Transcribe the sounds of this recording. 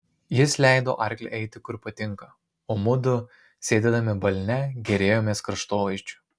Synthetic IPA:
jɪslʲæˑɪd̪o̰ːʔɐɾʲkʲlʲɛ̰ʔɛɪt̪ʲɪkʊɾpɐt̪ʲɪŋkɐ | oːmʊd̪ʊ | sʲeːd̪ʲeːd̪ɐmʲɪbɐlʲnʲɛɡʲɛɾʲeːjoːmʲeːskɾɐʃt̪oːʋɐɪʃt͡ʃʲʊ̥

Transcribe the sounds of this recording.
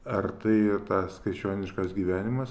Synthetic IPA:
ɐrt̪ɐɪt̪ɑːssskɐɪt͡ʃʲoːnʲɪʃkɐsɡʲiːʋʲæːnʲɪmɐs

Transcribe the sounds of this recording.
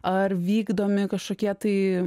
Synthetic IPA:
ɐrʋʲiːɡd̪oːmʲɪkɐʃkoːkʲiɛt̪ɐɪ

